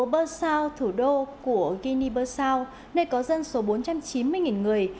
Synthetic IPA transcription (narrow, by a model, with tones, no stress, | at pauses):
ɓəː˧saː˧wt̪ʰu˧˩ɗo˧ku˧˩əɣi˧ni˧ɓəː˧saː˧w | nə˧˩jkɔ˨˦zə˧nso˨˦ɓo˨˦nt͡ɕa˧mt͡ɕi˨˦nmɨ˧əjŋi˨˩nŋɨ˨˩əj